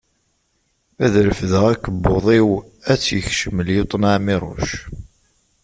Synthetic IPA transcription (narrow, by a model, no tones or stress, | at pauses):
æðɾəfðəʁækəbːoðˤiw | æt͡sːjəçʃəməljot̪ˤnaʕmiɾˤo̰ʃ